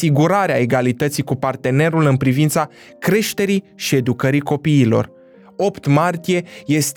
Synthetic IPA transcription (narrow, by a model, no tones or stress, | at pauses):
siɡuɾaɾeae̞ɡalit̪ət̪sijkupart̪e̞ne̞ɾulɨnpɾivint̪sa | kɾe̞ʃt̪e̞ɾiʃie̞d̪ukəɾijko̞piːlo̞̰r | o̞pt̪mart̪ije̞je̞st̪